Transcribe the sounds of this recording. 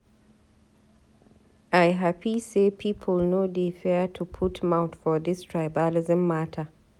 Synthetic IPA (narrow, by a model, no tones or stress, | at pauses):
aɪɦapʰisepʰipʰəlnodefɛtʰupʰutʰmaʊtfɔðɪstʰɹaɪbalɪzə̃mːatʰə